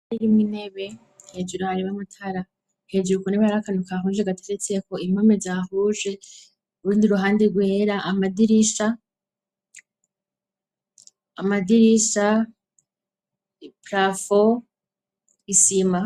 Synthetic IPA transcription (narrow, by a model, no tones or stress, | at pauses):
aɾiɾimwine̞βe̞ | hed͡ʒuɾohaɾiβamatʰaɾa | he̞d͡ʒuukuneβaaɾakanukaɦuːʒeɡatʰeɾet͡se̞kʰo̞imomezahuʒe̞ | uɾuːndiɾuɦaːndeɾɡweːɾaʔamadiɾiʃa | madiɾiʃa | pɾafo | isima